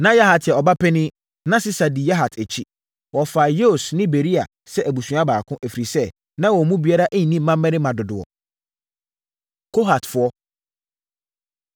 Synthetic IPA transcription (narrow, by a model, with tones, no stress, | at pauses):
nã˦ja˦ɦa˨tʰɪ˨ɛ˨ɔ˨ba˦pʰɛ˦nɪ̃˦ | nã˦sɪ˦sa˨di˨ja˦ɦa˨tʰæ˨t͡ɕʰi˦ | wɔ˨fa˨jo˦˨snɪ̃˦be˨ɾi˦a˨ | sɛ˦ʔæ˨bu˨su˨˦a˦baː˨kʰʊ̃˦ʔæ˨fi˨ɾi˨sɛ˦ | nã˦wɔ˨mũ˦bi˨˦a˦ɾa˦ʔæ˦ɲĩ˨nĩ˦m̩˦mã˦mː˦ɛ̃˦nɪ̃˦mã˨dʊ˨dʊ˨ɔ̰˨ | kʰo˦ɦa˨tfʊ˦ɔ˦